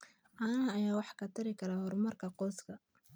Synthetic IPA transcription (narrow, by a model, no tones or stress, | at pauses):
ʔaːnɐɦɐːjaːwɑħkʰɐt̪ʰɐɾɪkʰɐɾahɔrmɐrkʰɐqɔːskʰɐ